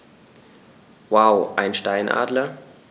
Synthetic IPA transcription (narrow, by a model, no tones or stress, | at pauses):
waʊʔaɪnʃtaɪnʔa̰ːdlɐ